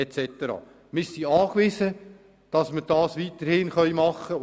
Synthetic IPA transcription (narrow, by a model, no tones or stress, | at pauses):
ɛt͡sɛt̪əɾɑ̰ː | mɪsiɑːkʋɪsə | d̥ɑsməd̥ɑːsʋit̪əɾhɪnχœɥmɑχːə